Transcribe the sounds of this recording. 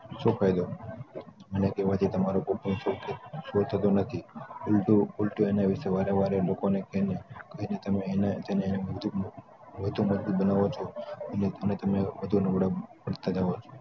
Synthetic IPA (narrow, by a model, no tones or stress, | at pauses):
ʃokʰajd̪o | mənekeʋat̪it̪əmaɾokopəɳ̃sokeʃot̪ʰət̪onət̪ʰiulʈuulʈuenaʋɪʃeʋaɾeʋaɾelokonekenekəɦinet̪əmenet̪ʰəneneməd̪u | ʋəd̪ʱũməd͡ʒbut̪̚bənaʋot͡ʃʰoəneənet̪əmebəd̪ʱunəʋɽapəɽt̪ad͡ʒaʋot͡ʃʰo̥